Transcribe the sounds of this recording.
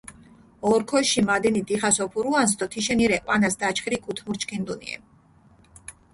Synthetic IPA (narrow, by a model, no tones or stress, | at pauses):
ɔɾkʰɔʃimad̪ɛnid̪ʼiχasɔpʰuɾuansd̪ɔt̪ʰiʃɛniɾɛqʼwanasd̪at͡ʃʰχɾikʼut̪ʰmuɾt͡ʃʰkʰind̪unḭɛ̰